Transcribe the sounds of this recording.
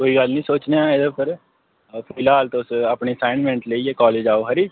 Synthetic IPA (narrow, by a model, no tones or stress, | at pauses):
koːiːɡəlnĩːsoːt͡ʃneaɪd̪əpʰɪɾ | pʰɪlaːlt̪õʊsaːpɳiːəsaːɪnmɛ̃ɳʈləieːkɔːleːd͡ʒaːoːɦəɾiː